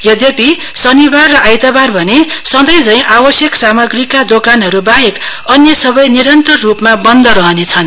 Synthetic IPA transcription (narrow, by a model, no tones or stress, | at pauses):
jʌd̪jepi | sʌnibarːʌʔajt̪abarbʱʌnesʌd̪ʌjd͡zʌĩʔabʌsjʌksamʌɡrikad̪okanɦʌɾubaɦekʌnjʌsʌbʌjniɾʌnt̪ʌrːupmabʌnd̪ʱʌɾʌɦʌnet͡sʰʌn